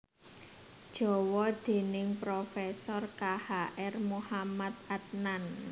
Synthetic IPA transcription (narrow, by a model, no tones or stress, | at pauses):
d̥ʒ̥ɔ̤wɔd̪̥e̤nɪŋpɾofɛsɔrkahaʔɛrmuhamat̪̚at̪̚nan